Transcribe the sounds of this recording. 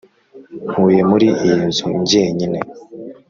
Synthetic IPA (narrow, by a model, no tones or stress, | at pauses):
n̥huːje̞muɾiʔinzuɲɟieɲine